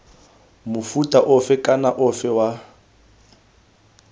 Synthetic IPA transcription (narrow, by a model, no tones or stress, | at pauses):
mʊfutʼaʔʊfɛkʼanaʔʊfɛwa